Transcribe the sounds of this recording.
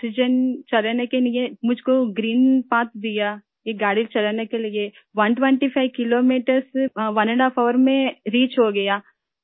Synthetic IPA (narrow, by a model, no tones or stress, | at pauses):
sɪd͡ʒənt͡ʃɐlanekelɪjemʊd͡ʒʱkoɡɾiːnpaːt̪d̪ɪja | jeɡaːɽilt͡ʃɐlaːnekelɪe | ʋɐnʈʋẽɳʈipʰaɪʋkɪloːmiːʈəɾsʋɐnəɳɖaːfɔːʋəɾmẽɾiːt͡ʃɦoɡɐjaː